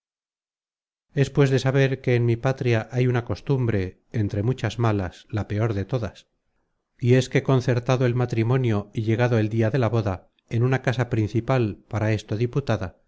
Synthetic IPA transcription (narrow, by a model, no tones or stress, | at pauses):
e̞spwe̞zðe̞saβe̞ɾke̞ːnmipat̪ɾiaʔajunako̞st̪umbɾe̞ː | nt̪ɾe̞mut͡ʃazmalaslape̞o̞ɾðe̞t̪o̞ðas | ie̞skeko̞nθe̞ɾt̪aðoe̞lmat̪ɾimo̞njo̞iʎe̞ɣ̞aðoe̞ld̪iaðe̞laβo̞ða | e̞nunakasapɾin̟θipalpaɾae̞st̪o̞ðiput̪aða